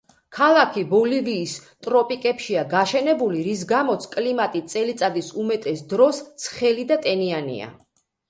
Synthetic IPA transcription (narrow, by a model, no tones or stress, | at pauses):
kʰalˠakʰibɔliviːst̪ʼɾɔpʼikʼɛpʃiaɡaʃɛnɛbuliɾis̬ɡamɔt̪sʰkʼlimat̪ʼit̪sʼɛlit̪sʼad̪isumɛt̪ʼɛsd̪ɾɔstt̪sʰχɛlid̪at̪ʼɛnianḭa̰